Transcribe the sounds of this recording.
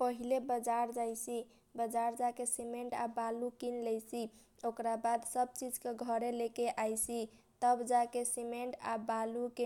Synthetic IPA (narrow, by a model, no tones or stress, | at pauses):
pəɦilebəd͡ʒaɾd͡ʒajsi | bəd͡ʒaɾd͡ʒakesimeɳʈa̰balukinlɛjsi | okɾabad̪səb̚t͡ʃid͡ʒkeɡʱəɾelekeʔajsit̪əbd͡ʒakesimeɳʈa̰baluke